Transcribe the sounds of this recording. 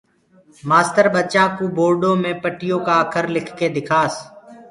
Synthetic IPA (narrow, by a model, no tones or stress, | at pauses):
maːst̪əɾbət͡ʃãːkuːboːɾɖõːmẽːpəʈɪjõːkaːəkʰəɾlɪkʰkeːd̪ɪkʰaːs